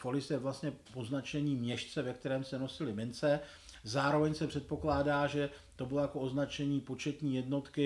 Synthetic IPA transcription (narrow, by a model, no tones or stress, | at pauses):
folɪsjɛvlast̪ɲɛpo̞znat͡ʃɛɲiːmɲɛʃt͡sɛvɛkt̪ɛɾɛːmsɛno̞sɪlɪmɪnt͡sɛ | zaːɾo̞vɛɲsɛpr̝̥ɛt̪̚po̞klaːdaːʒɛ | t̪o̞bɪlojako̞ʔo̞znat͡ʃɛɲiːpo̞t͡ʃɛt̪ɲiːjɛdno̞t̪kɪ